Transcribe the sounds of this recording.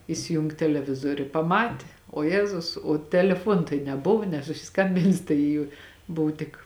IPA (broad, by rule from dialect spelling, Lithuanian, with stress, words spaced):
ɪsʲɪˈjʊŋk tʲɛlʲɛˈʋʲɪzoːrʲʊ ɪ pɐˈmɑːtʲɪ oː ˈjæːzʊs oː tʲɛlʲɛˈfuɔn tɐɪ nʲɛˈbʊʋʊ nʲɛsʊsʲɪˈskɐmʲbʲɪnʲsʲɪ ˈtɐɪ jʊ ˈbʊw tʲɪk